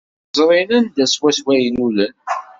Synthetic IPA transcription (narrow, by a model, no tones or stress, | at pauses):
zˤɾˤinænd̪æswæswæjlulən